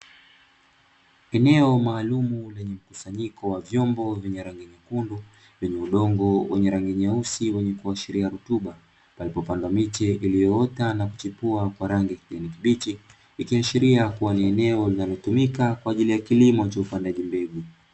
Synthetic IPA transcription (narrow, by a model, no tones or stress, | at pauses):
ɛnɛɔmaːlumulɛɲɛm̩kusaɲikɔwavjɔmbɔvjɛɲɛɾaŋɡiɲakundu | vɛɲɛuɗɔŋɡɔwɛɲɛɾaŋɡiɲausiwɛɲɛkuaʃiɾiaɾutuɓa | palipɔpandamit͡ʃɛʔilijɔɔtanaku̥t͡ʃipuakwaɾaŋɡikiʄanikiɓit͡ʃiː | kiaʃiɾiakuwaniɛnɛɔlinalɔtumikakwaːʄilijakilimɔt͡ʃaupandaʄimbɛɡu